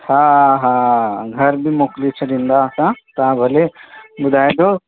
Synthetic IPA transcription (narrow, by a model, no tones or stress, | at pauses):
hãɦãɡʱɐɾbʱimoːklit͡ʃʰɐd̪ĩnd̪asãt̪aãbʱɐlebʊd̪ʱaːjd̪o